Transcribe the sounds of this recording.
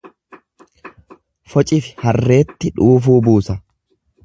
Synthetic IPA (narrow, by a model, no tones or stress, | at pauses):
fɔt͡ʃʼɪfɪ̥hɐrːe̞ːt̪ːɪᶑuːf̬uːbuːsɐ